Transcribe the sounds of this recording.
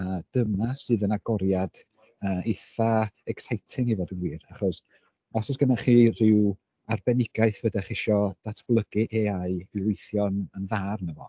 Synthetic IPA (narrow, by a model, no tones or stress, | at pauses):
əd̥əmasɨːðənaɡɔɾjad̥ | əːiθaɛksajtʰɪŋivɔdənwiːraχɔs | ɔsɔsɡ̥ənaχiːr̥ɪw | arbɛnɪɡaɨθvədɛχɪʃɔd̥atʰb̥lˠəɡɨʔeaɨilˠʊjθjɔnənðaːrnəvɔ